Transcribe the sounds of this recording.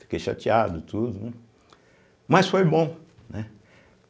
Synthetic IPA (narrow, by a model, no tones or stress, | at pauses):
i̥keʃa̰t͡ʃiad̪ʊt̪ʰud̪ʊ̃ | mɐsfojbõ | nɛ